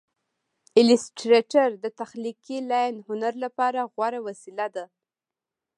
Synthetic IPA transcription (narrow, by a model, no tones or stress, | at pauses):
ɪlɪsʈɾeʈaɾd̪ət̪axlikilajnhʊnaɾlapɑɾaɣwɑɾawasilad̪a